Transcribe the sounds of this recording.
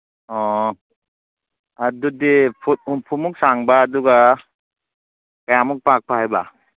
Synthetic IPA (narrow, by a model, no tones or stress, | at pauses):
ɔ | adudipʰupʰumuk̚saŋbaːduɡa | kajamuk̚pak̚pʰahajba